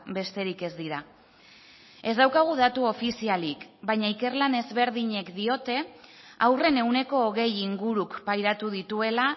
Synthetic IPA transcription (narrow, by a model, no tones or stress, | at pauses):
be̞st̪e̞ɾike̞zd̪iɾa | e̞zd̪awkaɣ̞uðat̪uo̞fisialikbajɲaike̞rlane̞zβe̞ɾðiɲe̞kd̪io̞t̪e̞ | awre̞ne̞une̞ko̞ːɣe̞jiŋɡuɾukpajɾat̪uðit̪ue̞la